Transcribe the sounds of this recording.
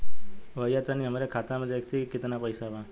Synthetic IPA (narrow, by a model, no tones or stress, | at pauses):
ʋəjat̪aniɦəmaɾekʰat̪amãd̪ekʰt̪ʰikɪt̪napəjsaba